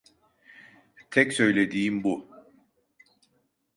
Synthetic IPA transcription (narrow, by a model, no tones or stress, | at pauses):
t̪ʰɛcsø̞jlʲe̞d̪iːimbu